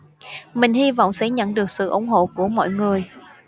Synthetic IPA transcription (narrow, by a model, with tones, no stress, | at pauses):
mï˨˩ŋ̟hi˧vɔ̰˧˨wŋ͡msɛ̰˧˥ɲə̰˧˨nɗɨ˨˩ək̚sɨ̰˧˨ʔʊ̰˧˩˦ŋ͡mɦo̰˧˨ku˧˩əmɔ̰˧˨jŋɨ˨˩əj